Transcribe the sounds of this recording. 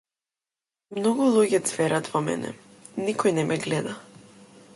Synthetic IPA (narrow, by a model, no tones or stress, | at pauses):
mnɔɡulˠuɟɛt̪svɛɾat̪vɔmɛ̰nɛ̰ | nikɔjnɛmʔɛɡlɛd̪a